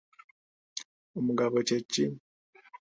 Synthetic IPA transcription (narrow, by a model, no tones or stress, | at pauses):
omuɡaβocecːi